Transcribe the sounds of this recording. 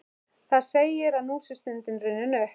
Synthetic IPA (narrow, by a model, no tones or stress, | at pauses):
θaðseːjɪɾaðnuːsɪst̪ʏnt̪ɪnɾʏnːʏnœh